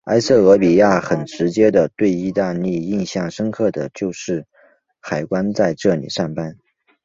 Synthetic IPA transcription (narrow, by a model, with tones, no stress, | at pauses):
a̰˥ɪsɤ˥˩ɤ˧˥pi˨˩ja˥˩xə˨˩nʈ͡ʂɻ̩˧˥t͡ɕjɛ˥d̪ə˨t̪we˥˧ɪi˥˧t̪a˥˧nli˥˧i˥˧nɕjɑ˥˩ŋʂə˥ŋkʰɤ˥˩d̪ə˩t͡ɕjo˥˧ʊʂɻ̩˥˩ | xa˨˩ɪkwa˥nt͡sa˥˧ɪʈ͡ʂɤ˥˩lḭ˨˩ʂa˥˩ŋpa˥n